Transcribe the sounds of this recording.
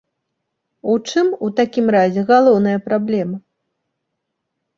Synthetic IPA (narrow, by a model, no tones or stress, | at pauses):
ut͡ʂɨmut̪akʲimɾazʲɛɣalˠɔwnɐjɐpɾablʲɛmɐ